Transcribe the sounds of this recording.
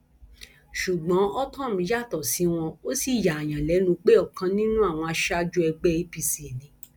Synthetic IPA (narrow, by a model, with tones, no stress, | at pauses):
ʃu˨ɡ͡bɔ̃˨˦ɔ˦tɔ̃˦˨mĩ˨˦ja˦˨tɔ˨si˨˦w̃ɔ̃˧o˦si˦˨ja˨a˨j̃ã˨lɛ˨˦nũ˧˦k͡pe˦ɔ˦˨kã˧nĩ˦nũ˦a˦˨w̃ɔ̃˧a˧ʃa˦d͡ʒu˦ɛ˧ɡ͡bɛ˦i˦bi˨˧si˨nĩ˨˦